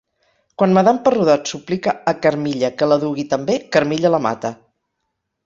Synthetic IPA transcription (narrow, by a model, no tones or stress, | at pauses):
kwanməðampəruðat̪suplikəːkəɾmiʎəkələðuɣit̪əmbekəɾmiʎələma̰t̪ə